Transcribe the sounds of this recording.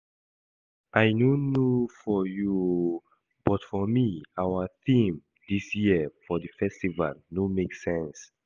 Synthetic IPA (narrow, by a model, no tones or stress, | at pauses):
ʔajnonofɔju | b̥ɔtfɔmiawəθĩm | disjiəfɔðəfɛstiva̰lnomeksɛ̃ns